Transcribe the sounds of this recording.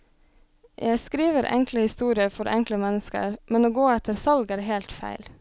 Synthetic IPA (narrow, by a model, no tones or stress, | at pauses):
jʔæɪskɾiːʋəɾʔɛ̰ŋkləhɪst̪uːɾɪəfɔɾʔɛ̰ŋkləmɛnəskə̰ɾmɛnoːɡoːɛt̪ʰəɾsɑlɡæːɾhelt̪fæ̰ɪl